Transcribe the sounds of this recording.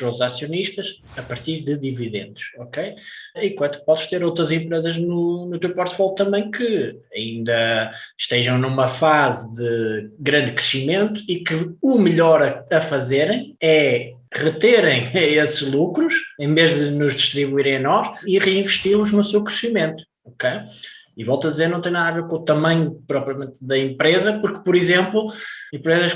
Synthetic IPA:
t̪ɾozasjuniʃt̪ɐʃ | ɐpɐɾt̪iɾðɨðiviðḛ̃nd̪uʃɔkejĩkwɐ̃nt̪upɔðɨʃt̪eɾowt̪ɾɐzẽmpɾezɐʒnunut̪ewpɔɾt̪fɔlˠt̪ɐ̃mbɐ̃j̃kɨ | ɐĩnd̪ɐʃt̪eʒɐ̃w̃numɐfazɨðɨɣɾɐ̃nd̪kɾɨʃimẽnt̪u̥ikɨumɨʎɔɾɐɐfɐzeɾɐ̃j̃ɛ | ʁɨt̪eɾɐ̃j̃esɨʒlˠukɾuʃẽveʒðɨnuʒðiʃt̪ɾiβuiɾẽj̃ɐnɔʃiʁɨĩvɨʃt̪iɾlˠuʒnusewkɾɨʃimẽnt̪u̥ | okejivɔlˠt̪ɐðizeɾnɐ̃t̪ẽj̃naðɐveɾkõut̪ɐmɐ̃ɲupɾɔpɾiɐmẽnt̪̚ðɐẽmpɾezɐpuɾkpɔɾizẽmplˠuẽmpɾezɐʃ

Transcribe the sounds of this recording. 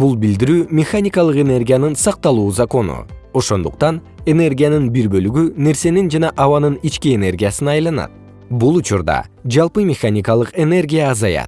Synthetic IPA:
bulˠbild̪iɾyːmʲexanʲɪkɑlˠɯqe̞ne̞rɡʲijanɯnsɑq̚t̪ɑlˠuːzako̞nṵo̞ʃo̞nd̪uqt̪ɑn | e̞ne̞rɡʲijanɯnbiɾbø̞lyɡyne̞ɾse̞nind͡ʒɑnɑʔɑβɑnɯnit͡ʃkiene̞rɡʲijasɯnɑjlˠɑnɑ̰t̪̚ | bulˠut͡ʃuɾd̪ɑ̰ | d͡ʒɑlˠpɯmʲɪxanʲikalˠɯqe̞ne̞rɡʲijaːzɑjɑ̰t̪̚

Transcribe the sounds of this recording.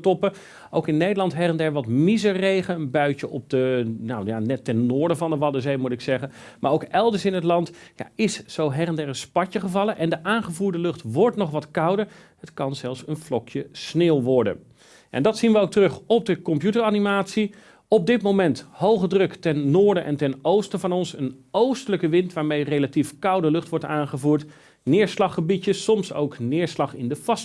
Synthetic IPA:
tɔpə | owkɪnːejdəlɑntɦɛrəndɛɹʋɑtmizərejχənənbœɥcəʔɔb̚dənawjanɛtɛnːʊːɹdəvɑndəʋɑdəzejmutɪksɛχən | maːɹowkɛlˠdəɹsɪnɦətlɑntja̰ɪsːowɦɛrəndɛɹənspɑcəχəvɑlˠəʔɛndəʔaːnχəvuːɹdəlɵχtʋɔɹtnɔχʋɑtkɑwdəɹ | ɦətkɑnzɛlˠfsənflɔkjəsneːlˠʋɔɹdə̰n | ʔɛ̰ndɑtsinʋəowk̚tərɵχɔb̚dəkɔmpjutəɹɑnimaːtsi | ɔb̚dɪtmowmɛnthowχədrɵktɛnːʊːɹdənʔɛ̰ntɛnowstəvɑnɔnsənowstələkəʋɪntʋaːɹmejrejlatifkʌwdəlɵχtʋɔɹtaːnχəvuːɹt | nɪːɹslɑχəbiəssɔmso̰wknɪːɹslɑχɪndəv̥ɑs

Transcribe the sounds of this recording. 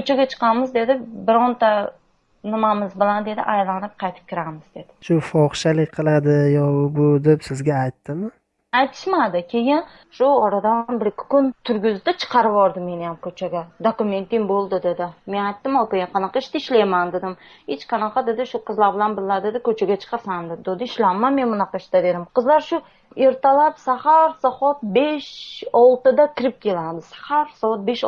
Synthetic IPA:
kʰɵt͡ʃʰaɡʲat͡ʃʰɨ̥qʰɑmɪzd̪e̞d̪ɪbɪɾɒnt̪a | nɪmamɪzbɪland̪e̞d̪ɪ̰ʔajlanɪp̚qʰɑjt̪ʰɪ̥p̚kʲʰɪɾamɪzd̪e̞d̪ɪʃʊfɒχʃalɪkʲqʰɨlˠad̪ɪjɒbʊd̪epsɪzɡʲaːjt̪ːɪmɪ | ajt̪ʰɪ̥ʃmad̪ɪkʲʰe̞jɪn | ʃʊɒɾad̪anbɪɾkʲʰɪ̥kʊnt̪ʰʊɾɡʲʊzɪt̪at͡ʃʰɨ̥qʰɑɾɪvɒɾd̪ɪme̞nɪjamkʰɵt͡ʃʰaɡʲad̪okʊme̞nt̪imbolˠd̪ɪd̪ed̪ɪme̞najt̪ːɪmɒpaaqʰɑnɑqʰɑɪʃt̪aɪʃlajmand̪ed̪ɪm | het͡ʃqʰɑnɑqɑd̪ed̪ɪʃʊqʰɨzlaɾbɪlanbɪlːad̪ed̪ɪkʰɵt͡ʃʰaɡʲat͡ʃʰɨ̥qʰɑsand̪ɪd̪od̪ɪɪʃlanmːanme̞nmʊnɑqʰɑɪʃt̪ad̪e̞d̪ɪmqʰɨzlaɾʃʊ | e̞ɾt̪ʰalapsahaɾsɒfɒt̪̚beʃɒlˠt̪ɪd̪akʲɪɾɪp̚kʲʰe̞lad̪ɪsḁhaɾsɒvɒt̪̚beʃ

